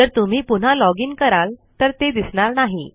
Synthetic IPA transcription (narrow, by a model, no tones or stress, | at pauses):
əɾt̪um̤iːpun̤alɔɡiːnkəɾalt̪əɾt̪ed̪isɳaɾnaɦi